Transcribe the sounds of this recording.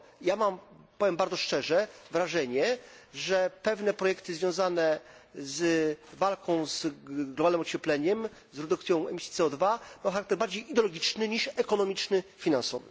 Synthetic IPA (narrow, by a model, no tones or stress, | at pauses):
jamampɔvʲjɛmbaɾd̪zɔʂt͡ʂɛʐɛvɾaʐɛɲɛʐɛpɛvnɛpɾɔjɛkt̪ɘɨzvʲjɔ̃w̃zanɛzvalkʰɔ̃w̃zɡlɔbalnɘmɔt͡ɕɛplɛɲɛm | zɾɛd̪ukt̪sʲjɔ̃w̃ɛmʲisʲjit̪sɛɔd̪vabawxaɾakt̪ɛɾbaɾd͡ʑejid̪ɛɔlɔɡʲit͡ʂnɘɲiʂɛkɔnɔmʲit͡ʂnɘfʲinansɔvɘ̰